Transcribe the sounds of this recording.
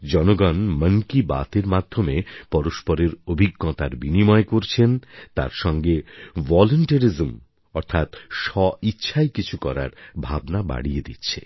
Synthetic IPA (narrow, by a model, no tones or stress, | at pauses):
d͡ʑɔnoɡanməŋkiba̰t̪eɾmad̪ʱːomepɔɾoʃpɔɾeɾobʱiɡːɔt̪aɾbinimɔekoɾt͡ɕʰent̪a̰ɾʃɔŋɡevɔloɳʈəɾizm | ɔɾt̪ʰat̪ʃɔitːɕʰajkit͡ɕʰukɔɾa̰ɾbʱabnaba̰ɽijed̪ḭtːɕʰe